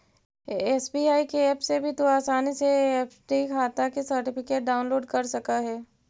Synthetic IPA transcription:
ɛsbiːaːikeɛːpsebʱit̪oaːsaːniseɛːpʰʈikʰaːt̪akisɐɾʈɪpɪkeːʈ̚ɖaːʊ̃nloːɖkɐɾsɐkaɦɛː

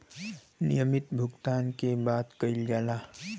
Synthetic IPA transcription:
nḭjəmɪt̪bʱʊɡt̪aːnkebaːt̪kəɪld͡ʒaːlaː

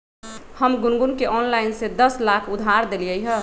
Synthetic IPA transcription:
həmɡunɡunkeʔɔnlaɪnsed̪əslakʰud̪ʱaɾd̪elijəjɦə

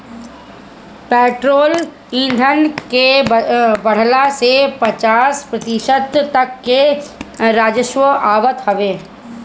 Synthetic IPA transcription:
peːʈɾoːl | ĩnd̪ʱənke | bɐɽ̤lasepɐt͡ʃaːspɾɐt̪ɪʃəd̪ɐkːe | ɾaːd͡ʒəʃʋəaːʋət̪hɐʋeː

